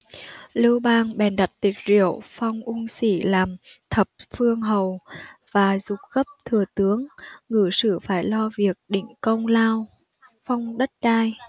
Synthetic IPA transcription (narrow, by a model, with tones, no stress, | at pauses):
lɨ˧wɓaː˧ŋɓɛ˨˩nɗa˨˩t̚t̪i˨˩k̟̚zḭ˧˨əwfa˧wŋ͡mʔu˧ŋsi˧˩laː˨˩mt̪ʰə˨˩p̚fɨ˧əŋɦə˨˩wv̥aː˨˩zʊ˨˩k͡p̚ɣə˦˥p̚t̪ʰɨ˨˩ət̪ɨ˨˦əŋŋɨ̰˧˩sɨ̰˧˩faː˧˩jlɔ˧vi˨˩ək̚ɗḭ˧˩ŋ̟kə˧wŋ͡mlaː˧w | fa˧wŋ͡mɗə˦˥t̚ɗaː˧j